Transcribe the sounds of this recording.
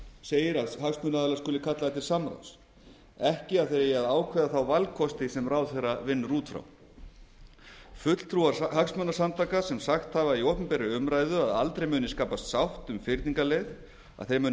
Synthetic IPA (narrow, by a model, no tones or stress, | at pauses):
seːjɪɾaðɦaksmœnaðalaskʏlɪkʰat̪laðat̪ʰɪlsamɾa̰ws | ɛhcɪaðθejɾjɛaðaːwkʰvɛːðaθawvalkʰɔst̪ɪsɛmraːwθejrːavɪnːruːt̪fɾa̰w | fʏt̪l̥t̪ʰɾuːaɾhaksmœːnasamt̪ʰaːkasɛmsaxt̪havaiowpʏmpɛɾʏʏmɾajðʏaðalt̪ɾejmʏːnɪskaːpast̪sawht̪ʏmfɪɾt̪niŋkalejð | a̰ðθejɾmʏːn